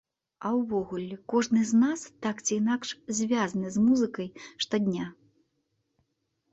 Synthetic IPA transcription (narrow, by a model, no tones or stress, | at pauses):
ɐwvɔɣulʲɛkɔʐnɨznast̪akt͡sʲiːnakʂzʲvʲazɐnɨzmuzɨkɐjʂt̪ɔd̪ʲnʲa